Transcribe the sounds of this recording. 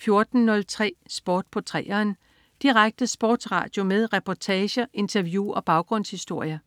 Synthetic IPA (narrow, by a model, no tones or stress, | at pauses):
fjo̝ɐd̥n̩ːɔ̽lt͡sʰʁɛ̰ːsb̥oːd̥̚pʰɒ̽t͡sʰʁɛ̰ːɐːn | d̥iʁaɡ̥̚d̥əsb̥ɒ̰ːd̥sʁɑ̰̈d̥jo̝meðˠʁɛpʰɒt͡sʰɛːɕɐʔe̝nt͡sʰɐʋjuɒ̽b̥ɑ̈ʊɡ̥ʁɔ̽n̰shisd̥o̝ɐ̰jɐ